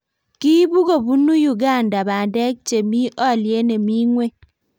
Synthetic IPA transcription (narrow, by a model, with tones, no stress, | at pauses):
ki˦bu˦ɡo˨bu˦nu˦ju˦˨ɡa˦˨nda˨ba˨ndɛ˦k̚t͡ʃe˨mi˦ʔɔ˦˨lje˦ne˨mi˦ŋwe˦